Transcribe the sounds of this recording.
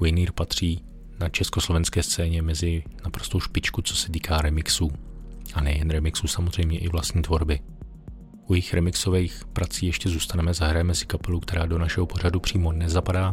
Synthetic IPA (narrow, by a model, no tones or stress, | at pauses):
wɪniːɾpat̪r̝̥iː | nat͡ʃɛskoslovɛnskɛːst͡sɛːɲɛmɛzɪnapɾo̞st̪o̞wʃpɪt͡ʃkut͡so̞̥sɛt̪iːkʰaːɾɛmɪksuːʔanɛjɛnɾɛmɪksuːsamozr̝ɛjmɲɛʔɪvlast̪ɲiːt̪vo̞ɾbɪ | ʔujɪxɾɛmɪkso̞vɛjxpɾat͡siːjɛʃcɛzuːst̪anɛmɛzaɦɾajɛmɛsɪ̥kapɛlukt̪ɛɾaːdo̞naʃɛɦopo̞ɾ̝adupr̝̥iːmo̞nɛzapadaː